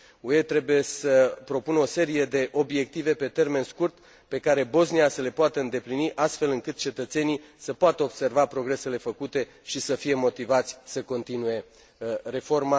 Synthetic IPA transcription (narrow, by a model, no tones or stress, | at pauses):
ue̞t̪ɾe̞buje̞səpɾo̞punəo̞se̞ɾije̞d̪e̞ʔo̞bje̞k̚t̪ive̞pe̞t̪e̞rme̞nskurt̪ | pe̞kaɾe̞bo̞zniasəle̞poat̪əɨnd̪e̞pliniʔast̪fe̞lɨŋkɨt̪̚t͡ʃe̞t̪ət̪se̞nisəpoat̪əo̞bse̞rvapɾo̞ɡɾe̞se̞le̞fəkut̪e̞ | ʃisəfije̞mo̞t̪ivat̪sʲsəko̞nt̪inuje̞ | re̞fo̞rma